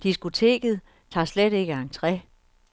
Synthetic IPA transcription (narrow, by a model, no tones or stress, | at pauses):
d̥isɡ̥ot͡sʰe̝̰ːɡ̥ð̞̩ˠ | t͡sʰɑ̰̈ːsleɾ̥e̝ɡ̥əɑ̈ŋt͡sʰʁɛ